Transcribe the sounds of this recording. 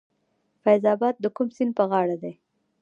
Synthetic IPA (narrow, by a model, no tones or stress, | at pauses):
fajzɑbɑd̪̚ːəkumsinpəɣɑɽad̪e